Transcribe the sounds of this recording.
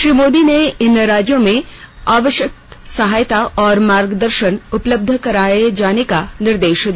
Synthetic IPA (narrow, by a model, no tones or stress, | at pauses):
ʃɾiːmoːd̪ineɪnɾaːd͡ʒjõmẽ | aːʋəʃjək̪̚sɐɦaːjt̪aɔːɾmaːɾɡd̪əɾʃənʊpləb̚d̪ʱəkɐɾaːed͡ʒaːnekanɪɾd̪eːʃd̪i